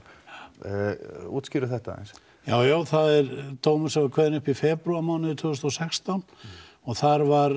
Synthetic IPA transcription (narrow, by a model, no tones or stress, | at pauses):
ṵːt̪sciɾʏθɛht̪aḛjns | ja̰ːwjaːwθaðɛɾt̪ʰoːwmʏ̥sɛvakʰvɛːðɪnʏhpifɛːpɾuamaːwnɪðʏt̪ʰvʏɣst̪ɔsɛkst̪ɔn | ɔɣθaɾvaɾ